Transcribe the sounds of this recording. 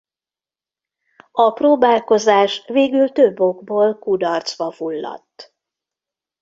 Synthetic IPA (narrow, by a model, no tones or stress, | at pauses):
ɒproːbaːlko̞zaːʃveːɡylt̪øbːo̞ɡboːlkud̪ɒrt̪sʋɒfulːɒ̰t̪ː